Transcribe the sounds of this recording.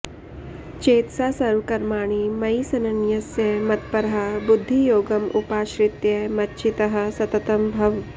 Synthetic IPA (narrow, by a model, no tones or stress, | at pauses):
t͡ʃeːt̪saːsɐɾʋkɐɾmaːɳ̃imɐjisɐnɐnjɐsjɐmɐt̪̚pɐɾɐɦɐbʊd̪ʱːijoːɡɐmʔupaːʃɾɪt̪jɐmɐtːʃʰit̪ɐɦɐ̆sɐt̪ɐt̪ɐmbʱɐʋ